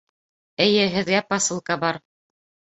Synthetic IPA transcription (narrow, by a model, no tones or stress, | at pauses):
ɘ̆jɘɦɘ̆ðɡæpɑsɤ̆lˠkɑbɑɾ